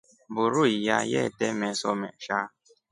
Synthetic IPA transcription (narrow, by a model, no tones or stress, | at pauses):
bʊɾuija̰jɛ̰tɛmɛsɔmɛʃa